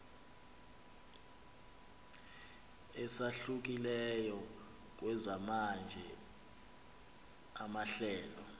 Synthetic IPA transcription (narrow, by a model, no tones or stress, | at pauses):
ɛsaɬuk̬ilɛjɔ | k̬ʼwɛzamand͡ʒʱɛ | amaɬɛːlɔ